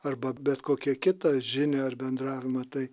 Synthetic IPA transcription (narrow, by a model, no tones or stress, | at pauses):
ɐrbɐbʲɛt̪koːkʲiɛkʲɪt̪ɐʒʲɪnʲeːɐrbʲɛnd̪ɾɑːʋʲɪmɐt̪ɐɪ